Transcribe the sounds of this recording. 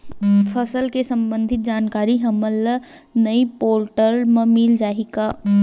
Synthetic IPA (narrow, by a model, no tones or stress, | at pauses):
pʰəsəlkesɐ̃mbə̃nd̪ʱɪt̪̚d͡ʒaːnkaːɾiɦɐməlnɐipoːɾʈəɾmə̃mɪld͡ʒaːɦika